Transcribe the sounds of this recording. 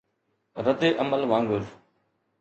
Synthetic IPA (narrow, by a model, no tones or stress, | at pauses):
ɾəd̪eːʔəməlʋãːŋɡəɾ